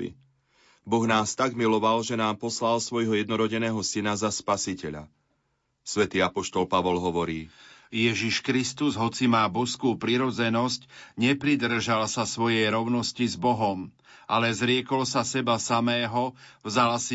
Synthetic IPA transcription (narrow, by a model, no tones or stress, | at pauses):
bɔɣnaːst̪aɡmilɔʋalʒɛnaːmpɔslalsʋɔjɦɔjɛd̪nɔɾɔɟɛnɛːɦɔsinazaspasicɛʎa̰ | sʋɛt̪iːapɔʃt̪ɔlpaʋɔlɦɔʋɔɾiːjɛʒiʃkɾist̪uzɦɔt͡simaːbɔskuːpɾiɾɔd͡zɛnɔscɲɛpɾid̪r̩ʒalsasʋɔjɛjɾɔʊnɔscizbɔɦɔm | ʔalɛzɾɪɛkɔlsasɛbasamɛːɦɔvzalsi